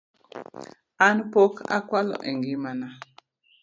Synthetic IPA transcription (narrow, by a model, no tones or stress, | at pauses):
anpoka̰kwalɔ̰ʔɛŋɡimana